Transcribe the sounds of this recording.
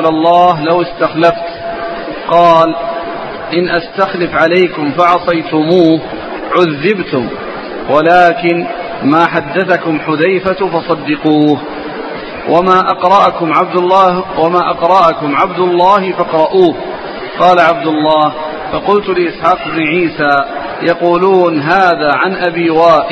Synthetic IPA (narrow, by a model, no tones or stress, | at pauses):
lalˤːɑːɦlawɪst̪axlaft̪ | qɑːl | ʔɪnʔast̪axlɪfʕalajkʊmfɑʕɑsˤɑjt̪ʊmuːh | ʕʊðːɪbt̪ʊm | wʔalaːkɪn | maːħad̪ːaθakʊmħʊðajfafɑsˤɑd̪ːɪquːh | wʔamaːʔɑqɾˤɑʔkʊmʕab̚d̪wamaːʔɑqɾˤɑʔakʊmʕabd̪ʊlˤːɑːhɪfɑqɾˤɑʔuːh | qɑːlaʕab̚d̪ʊlˤːɑːh | fɑqʊlt̪ʊlɪʔɪsħɑːqɪbnɪʕiːsaː | jɑquːluːnɦaːðaːʕanʔabiːwaːʔɪ